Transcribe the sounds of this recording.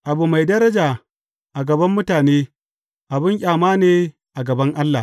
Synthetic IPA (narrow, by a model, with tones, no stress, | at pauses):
ʔa˨bu˨ma˨jdɐ˦ɾɐ˦d͡ʒaː˨ | ʔa˨ɡɐ˨bɐ˦mːʊ˦taː˨neː˦ | ʔa˨bɪ˦ŋkʲʼaː˨maː˦neː˦ | ʔa˨ɡɐ˨bɐ˦ŋʔa˦lːa̰˨